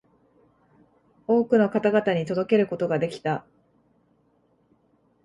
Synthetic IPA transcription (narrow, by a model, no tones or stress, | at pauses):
o̞ːkɯ̟no̞kat̪aɡat̪aɲ̟it̪o̞d̪o̞ke̞ɾɯ̟ko̞t̪o̞ɡad̪e̞kʲi̥t̪a